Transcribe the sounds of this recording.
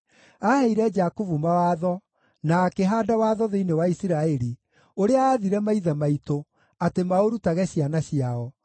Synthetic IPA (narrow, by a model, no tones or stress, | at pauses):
ahɛiɾɛd͡ʒakuvumawaːðɔ | nakeɦaːdawaːðɔðeinewaisiɾaɛɾi | oɾeaːðiɾɛmaiðamaito | atemaoɾutaɣɛɕianaɕiaɔ